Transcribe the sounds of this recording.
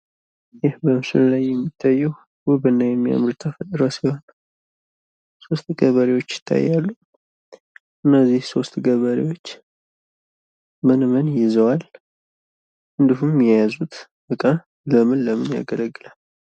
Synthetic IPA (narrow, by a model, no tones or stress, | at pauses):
jɪhbəmsɨ̰llajːɛmːit̪ʰːajːɛw | wʊβɨnːajɛmːija̰mɾut̪ʰəfət̪ʼɾəsihon | so̞st̪ɡəβəɾewo̞t͡ʃːjɪ̥t̪ʰːa̰jːalːu | ʔɨnːəzːihso̞st̪ɡəβəɾewo̞t͡ʃː | mɨnmənjɪzəwal | ɨnd̪iɦumːɛjazut̪ | bəkʼa | ləmɨnləmɨnja̰ɡələɡːɨlalː